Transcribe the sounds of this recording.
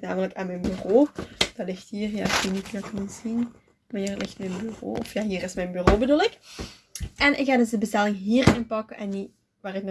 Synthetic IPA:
na̰ːmələkaːnmɛjnbyroːd̥ɑtlɪxthiːrjaːɪkeːnitidɑkənəzin | mniːrɑtlɪxtmɛjnbyro̰ːɔfjaːɦiːɾɪsmɛjnbyroːbədulɪk | ʔɛnʔɪ̰kxaːdɵzdəbəstɛlɪŋɦiːrɪnpɑkəʔɛnːi | ʋaːrɪknɔ

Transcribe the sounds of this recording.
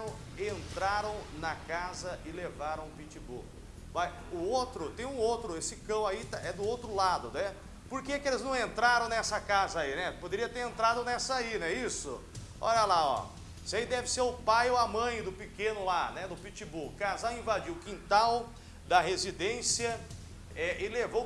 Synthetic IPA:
ẽnt̪ɾaɾɐ̃w̃nɐkazɐʔɪlevaɾɐ̃w̃ʊpit͡ʃibo̰ | vaj | ʊowt̪ɾʊt̪ẽj̃ũowt̪ɾʊesɪkɐ̃w̃ait̪aɛd̪ʊowt̪ɾʊlad̪ʊnɛ | poɾkeɛkɪelɪznɐ̃w̃ẽnt̪ɾaɾɐ̃w̃nɛsɐkazɐainɛpod̪eɾiɐt̪eɾẽnt̪ɾad̪ʊnɛsɐainɛisʊ̰ | ɔ̰ʎɐlaɔ̰ | isaid̪ɛvɪseɾʊpajoɐmɐ̃j̃d̪ʊpɪkẽnʊlanɛd̪ʊpit͡ʃibukazawĩvad͡ʒiwʊkĩnt̪aw | d̪ɐhezid̪ẽsiɐ | ɛʔɪlevow

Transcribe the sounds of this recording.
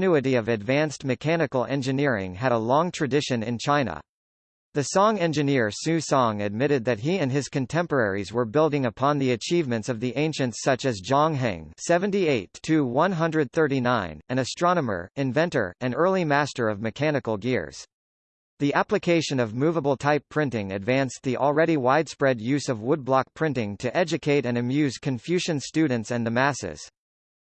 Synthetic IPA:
nʉɨɾiʌvɨdvæ̃nstmɨkʰænɨkl̩ˠɛ̰̃nd͡ʒɨnɪɹɪ̰̃ŋɨɾəlɔ̃ŋtʰɹ̥ɨdɪʃɨ̃nɨɪ̃nt͡ʃʰãɪ̃nə̰ | ðɨsɔ̃ŋɛ̃nd͡ʒɨnɪɹsʉsɔ̃ŋɨd̚mɪɾɨd̪̚ðɨt̚ɦiɨ̃nɨz̥kɨ̃ntʰɛ̃mpə˞ɛɹizwə˞bɪlˠdɪ̃ŋəpʰɑ̃nðiɨt͡ʃʰivmɨ̃ntsʌvðiʔẽɪ̃nʃɨ̃ntsʌt͡ʃɨzd͡ʒɑ̃ŋɦæ̰̃ŋsɛvɨ̃ntieɪtʰɨwʌ̃nɦʌ̃ndɹɨd̪̚θɜ˞ɾinãɪ̃nɨ̃nɨstɹ̥ɑnəmə̰˞ɨ̃ɱvɛ̃ntə̰˞ɨ̃nɜ˞lˠimæstə˞ʌvmɨkʰænɨkl̩ˠɡɪ̰ɹz̥ | ðiʔæplɨkʰeɪʃɨ̃nʌvmuvəbl̩ˠtʰaɪpʰɹ̥ɪ̃ntɪ̃ŋɨ̰dvæ̃nsðiʔl̩ˠɹɛɾiwaɪd̥spɹɛdjʉzʌvwʊd̚blɑk̚pʰɹ̥ɪ̃ntɪ̃ŋtʰɨʔɛd͡ʒɨkʰeɪɾɨ̃nɨmjʉz̥kʰɨ̃ɱfjʉʒɨ̃nstʉdⁿn̩tsɨ̃nðɨmæsɪ̰z̥

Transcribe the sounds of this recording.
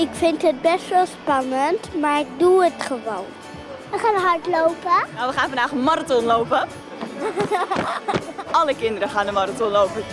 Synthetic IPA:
ɪkfɪntɦət̚bɛstʋɛlˠspɑnəntmaːɹɪk̚duətχəʋown | ʋəχaːnəɦɑɹtlowpənaʋəχaːnfɑndaːχəmaɾatɔnlowpə | ʔɑləkɪndəɾəχaːnəmaɾatɔnlowpə

